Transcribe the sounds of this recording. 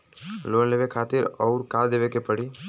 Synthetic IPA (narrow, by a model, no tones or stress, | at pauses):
loːnleːʋekʰaːt̪ɪɾɔːɾkaːd̪eːʋekepəɽi